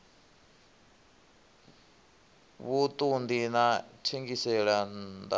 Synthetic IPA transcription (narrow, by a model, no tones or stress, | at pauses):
βut̪ʼund̪inatʰiŋɡisɛɺand̪a̰